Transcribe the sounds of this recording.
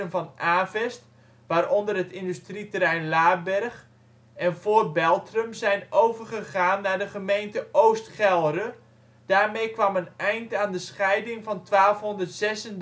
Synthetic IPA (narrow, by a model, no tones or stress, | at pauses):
ənvɔnʔaːvɛst | ʋaːɾɔndərɦətɪndystritəɾɛjnlaːbɛrχ | ɛnvoːrbɛlˠtrəmzɛjnowvərχəχaːnːaːdəχəmejntəʔowstχɛlˠrə | d̥aːrmejkʋɑmənɛjntaːndəsχɛjdɪŋvɑntʋaːlˠfɦɔndərtsɛsən